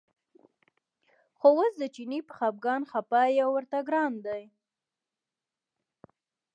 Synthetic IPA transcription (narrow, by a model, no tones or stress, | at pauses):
xowosd̪ət͡ʃinipəxɑb̚ɡɑnxapajawəɾt̪aɡɾɑnd̪aj